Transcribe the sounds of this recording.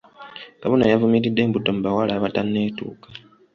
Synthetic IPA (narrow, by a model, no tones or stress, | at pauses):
kaβonajavumiɾidːe̞ːmbuto̞mbawalaβatanːe̞ːtṵːkḁ